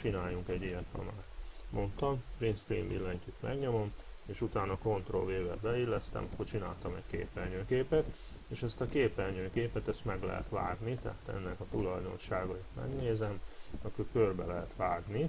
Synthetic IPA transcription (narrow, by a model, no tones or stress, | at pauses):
t͡ʃinaːjuŋkɛɟːijɛt̪hɒ̰maːrmʔo̞nt̪ɒmprinst̪ḭːmbilːɛɲcyt̪mʔɛ̰ɡɲo̞momeːʃut̪aːnɒko̞nt̪ro̰lveːvɛ̰bɛilːɛst̪ɛ̰mɒkːort͡ʃina̰ːlt̪ɒmɛcʲkḛːpɛlɲøːkeːpɛt̪ | eːʃɛst̪ɒkeːpɛlɲøːkeːpɛt̪ɛst̪mɛɡlɛ̰ɦɛ̰t̪ʋa̰ːɡnit̪ɛ̰ɦaːt̪ɛ̰nːɛkɒt̪ulɒjd̪o̞̰nʃaːɡɒit̪mɛ̰ɡneːzɛmɒkykørbɛlɛɦɛt̪ʋaːɡni